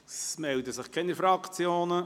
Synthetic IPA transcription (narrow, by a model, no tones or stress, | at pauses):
smɛldəsɪχkʰɛnifɾɑkt͡sjoːnə